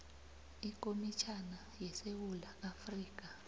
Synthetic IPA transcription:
ikʼomit͡ʃʰana | jɛsewulaafriːk̬ʼa

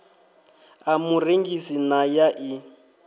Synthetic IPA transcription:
amureŋɡisinajaʔi

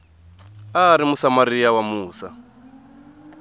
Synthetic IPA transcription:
aːɾimusamaɾijawamuːsa

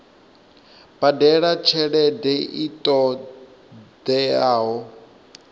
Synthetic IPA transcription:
b̥adɛɺat͡ʃʰɛɺɛdɛitʼɔ | dɛaːɦɔ

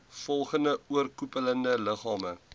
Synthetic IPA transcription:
fɔlˠχəndəuərkupələndələχɑːmə

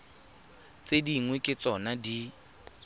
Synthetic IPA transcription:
t͡sʼediŋwekʼɪt͡sʼɔnadi

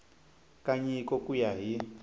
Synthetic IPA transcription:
kaɲikɔkujaɦi

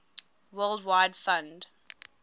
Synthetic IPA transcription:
wɜːlˠdwaɪdfãnd

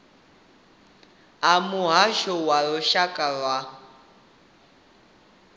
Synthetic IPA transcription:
amuɦaʃɔwaɺɔʃakʼaɺwa

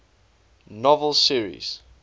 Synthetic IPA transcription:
nɔvəlˠsiəɹḭz̥

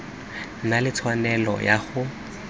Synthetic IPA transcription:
nalɪt͡sʰwanɛlɔ̰jaχʊ

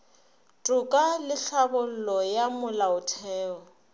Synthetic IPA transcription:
tʼʊkʼalɪɬabʊl̩lɔjamʊlaʊtʰɛːɔ

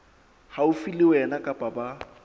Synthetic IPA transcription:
haʊfilɪwɛnakʼapʼaba

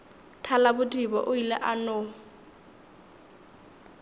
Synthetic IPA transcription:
tʰalabʊdʼibɔ̰ʔʊilɛ̰ʔanɔ

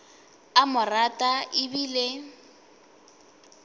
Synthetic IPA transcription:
amʊratʼaʔɪbile

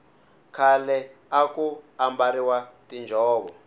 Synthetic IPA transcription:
kʰalɛakʼuambaɾiwatʼind͡ʒʱɔːβɔ

